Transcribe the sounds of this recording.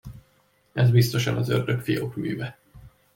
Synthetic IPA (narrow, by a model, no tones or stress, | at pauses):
ɛzbist̪oʃɒnɒzørd̪økfiokmyːvɛ